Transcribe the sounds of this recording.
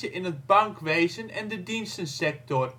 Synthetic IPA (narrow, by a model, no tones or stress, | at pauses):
əʔɪnət̚baŋkʋejzənɛndədinstənsɛk̚tɔr